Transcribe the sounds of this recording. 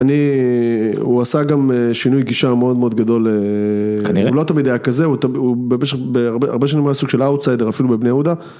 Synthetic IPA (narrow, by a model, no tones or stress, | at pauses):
ani | uasaɡameʃinujɡiʃameo̞d̪meo̞d̪ɡad̪o̞lekaniʁeulo̞t̪amid̪ajakazeut̪aubemeʃeχbeaʁbea̰ʁbeʃ̬animajasuɡʃe̞lawt̪sajd̪eʁafilubebnejaud̪a